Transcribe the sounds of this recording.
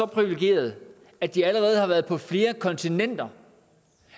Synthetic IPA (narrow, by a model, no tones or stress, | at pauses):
ɒ̽pʰʁiʋileɡ̥e̝̰ːɐð̞̩ˠ | æd̥iæləʁɛːð̞̩ˠhɑʋæɐð̩ˠpʰɒ̽fle̝ːɐkʰɒ̽nt͡sʰinen̰d̥ɐ